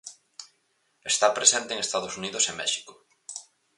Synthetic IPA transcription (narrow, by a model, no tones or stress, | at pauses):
est̪apɾesent̪eːŋest̪aðosuniðʊsemɛʃi̥kʊ